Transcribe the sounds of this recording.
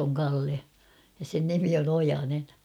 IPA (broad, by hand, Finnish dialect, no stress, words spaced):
oŋ kɑlːe jɑ sen nimi on ojɑnen